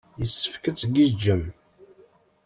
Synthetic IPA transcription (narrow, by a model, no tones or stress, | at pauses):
jəsːə̥fkət͡sːɡid͡ʒːəm